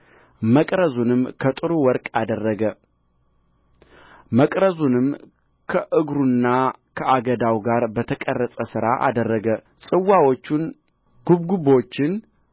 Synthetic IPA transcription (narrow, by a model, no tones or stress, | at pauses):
məkʼɾəzunɨmkʰət̪ʼɨɾuwɔɾkʼad̪ərːəɡə | məkʼɾəzunɨm | kʰəʔɨɡɾunːakʰəʔaɡəd̪awɡaɾbət̪ʰəkʼərːəsʼəsɨɾaʔa̰d̪ərːəɡə | sʼɨwːawot͡ʃːun | ɡ̥ubɡubo̞t͡ʃːɪn